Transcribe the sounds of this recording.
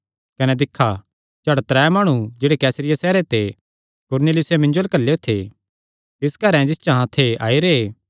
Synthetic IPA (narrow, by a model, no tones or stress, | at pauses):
kɐnɛd̪ɪkʰːa | t͡ʃɐɽt̪ɾɛːmaːɽ̃ũd͡ʒeːɽekɛːsɾɪjasɛːɾet̪e | kʊɾnelɪjʊsemɪ̃ɲd͡ʒoɐlkɐlːeot̪ʰːe | t̪ɪskɐɾɛ̃d͡ʒɪst͡ʃaɦãt̪ʰːeaːiɾeː